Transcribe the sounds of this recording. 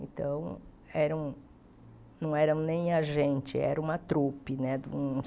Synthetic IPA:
ḛ̃nt̪ɐ̃w̃ | ɛɾɐuw̃ | nɐ̃w̃ɛɾɐ̃w̃nẽj̃aʒẽnt͡ʃɪɛ̰ɾɐũmɐt̪ɾupɪnɛd̪ũ

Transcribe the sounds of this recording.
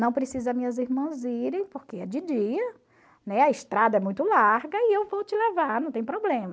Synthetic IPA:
nɐ̃w̃pɾesizɐmĩɲɐziɾmɐ̃ziɾẽj̃poɾkeɛd͡ʒɪd͡ʒiɐ | nɛɐɪʃt̪ɾad̪ɐɛmũj̃t̪ʊlaɾɡɐɪewvowt͡ʃɪlevaɾnɐ̃w̃t̪ẽj̃pɾoblẽmɐ

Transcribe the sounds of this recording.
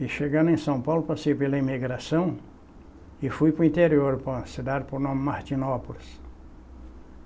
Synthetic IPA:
ɪʃeɡɐ̃nʊẽj̃sɐ̃w̃pawlʊpasejpelɐimiɡɾasɐ̃w̃ | ɪfujpɾʊĩnt̪eɾioɾpɐ̃sɪd̪aɾpʊɾnõmɪmaɾt͡ʃinopulɪs

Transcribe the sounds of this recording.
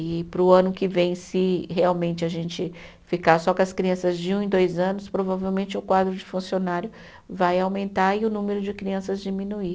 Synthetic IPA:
ɪpɾʊɐ̃nʊkɪvẽj̃sɪɦeawmẽnt͡ʃɪɐʒẽnt͡ʃɪ | fikasɔkɪɐskɾiɐ̃sɐzd͡ʒɪũẽd̪ojzɐ̃nʊspɾovavewmẽnt͡ʃɪʊkwad̪ɾʊd͡ʒɪfũsionaɾjʊ | vajawmẽnt̪aɪʊnũmeɾʊd͡ʒɪkɾiɐ̃sɐzd͡ʒimĩnui

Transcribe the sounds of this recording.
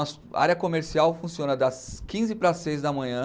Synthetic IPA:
ɔs | a̰ɾjɐkomeɾsiawfũsiõnɐd̪ɐskĩzɪpɾɐsejzd̪ɐmɐ̃ɲɐ̃

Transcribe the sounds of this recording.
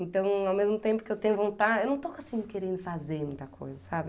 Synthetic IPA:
ẽnt̪ɐ̃w̃awmezmʊt̪ẽpʊ̥kɪewt̪ẽɲʊvõnt̪ad͡ʒewnɐ̃w̃t̪okasĩʊkeɾẽnd̪ʊfazeɾmũj̃t̪ɐkʰo̰jzɐsabɪ

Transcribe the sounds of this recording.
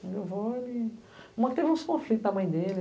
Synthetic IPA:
mewvɔli | ũmɐkɪt̪evũskõflit̪ʊnɐmɐ̃j̃d̪elɪ

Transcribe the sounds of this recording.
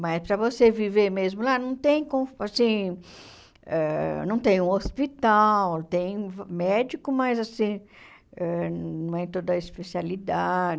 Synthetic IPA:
mɐspɾɐvoseviveɾmezmʊlanɐ̃w̃t̪ẽj̃kõfasĩ | ɛnɐ̃w̃t̪ẽj̃ũospit̪awt̪ẽj̃vmɛd͡ʒikʊmajzasĩ | ɛññɛ̃j̃t̪od̪ɐispesialid̪ad͡ʒ

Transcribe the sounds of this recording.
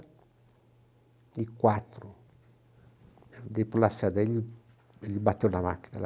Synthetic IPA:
ikwat̪ɾu | d̪epulasad̪eʎi | eʎibat̪ːewnama̰kina̰l

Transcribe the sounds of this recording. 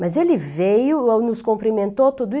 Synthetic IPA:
mɐzelɪvejʊownʊskõmpɾimẽnt̪ot̪ud̪ʊi

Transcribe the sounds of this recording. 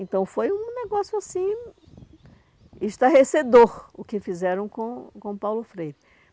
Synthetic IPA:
ẽnt̪ɐ̃w̃fojũneɡɔsjʊasĩ | iʃt̪ɐɦesed̪oɾʊkɪfizɛɾɐ̃w̃kõkõpawlʊfɾejɾɪ

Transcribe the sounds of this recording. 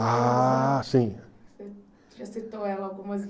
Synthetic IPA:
a | sĩse | ɐset̪owɛlɐkõmɐz

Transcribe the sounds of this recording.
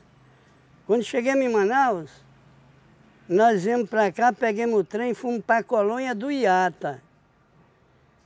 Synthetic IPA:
kwɐ̃nd̪ʊʃeɡemĩmɐ̃nawʊs | nɔziɐ̃mʊpɾakapeɡẽmʊʊt̪ɾẽj̃fũmʊpɾakolõɲɐd̪ʊiat̪ɐ

